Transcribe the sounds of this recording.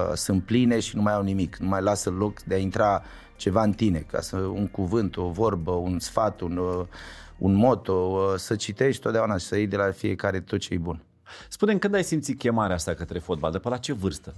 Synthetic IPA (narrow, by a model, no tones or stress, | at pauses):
sɨnt̪̚pline̞ʃinumajawnimiknumajlasəlo̞kd̪eaint̪ɾa | t͡ʃe̞vaɨnt̪ine̞kʰa̰səuŋkuvɨnt̪o̞vo̞rbəunsfat̪un | ṵnmo̞t̪osət͡ʃit̪e̞ʃt̪ʲt̪ot̪̚d̪jaunaʃi̥səejd̪e̞lafie̞kaɾe̞t̪ot̪t͡ʃejbun | spune̞mkɨnd̪ajsimt̪sit̪̚kʲe̞maɾeast̪akət̪ɾe̞fo̞t̪̚bald̪əpəlat͡ʃe̞vɨrst̪ə